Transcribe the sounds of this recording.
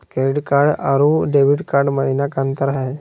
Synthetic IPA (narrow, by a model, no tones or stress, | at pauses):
keɖkaɾɖaɾuɖeʋiɽkaɾɖməɾinakãnt̪əɾaɦe